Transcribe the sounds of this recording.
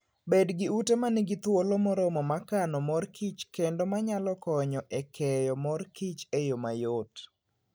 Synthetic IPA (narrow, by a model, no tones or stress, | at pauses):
bedɡɪutemanɪɡɪt̪wolomɔɾɔmɔmakanɔmɔrkʰit͡ʃkendomaɲalɔkɔɲɔʔekʰɛjɔmɔrkit͡ʃejomajot